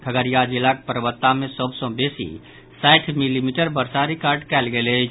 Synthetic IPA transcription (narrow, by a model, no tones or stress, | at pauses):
kʰəɡəɾijad͡ʒilak̚pəɾəʋət̪ːamesəbsə̃besḭ | saɪʈʰmilimiʈəɾbəɾsaɾikaɾɖkɛlɡele